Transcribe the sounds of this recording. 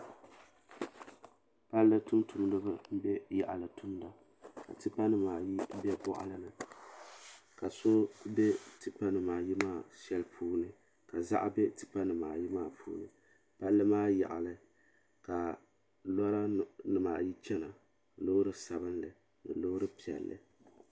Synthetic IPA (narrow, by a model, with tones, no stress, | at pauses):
pa˦lːɨ˦tu˦mtʰu˨mdɨ˦ba˦m̩˦bɛ˦ja˨ʔa˨lɨ˨tʰu˦mda˨ | ka̰˨tɨ˦pa˦nɨ˨maː˨ji˦bɛ˦bɔ˦ʔa̰˦lɨ˦nɨ˨ | ka˨so˦bɛ˦tɨ˨pa˦nɨ˨maː˨ji˦maː˦˨ʃɛ˦lpʰuː˦nɨ˦ | ka˨za̰˦ʔbɛ˦tɨ̥˨pa˦nɨ˨maː˨ji˦maː˦pʰṵː˦nɨ̰˦ | pa˦lːɨ˦maː˦ja̰˨ʔa˨lɨ˦ | ka˨ | lɔ˦ɾa˦nɨ˨maː˨ji˦t͡ʃɛ˦na˨ | lo˦ɾɨ˦sa˨bɨ˦nlɨ˨ | nɨ˨lo˦ɾɨ˦pi˨ɛ̰˨lːɨ̰˨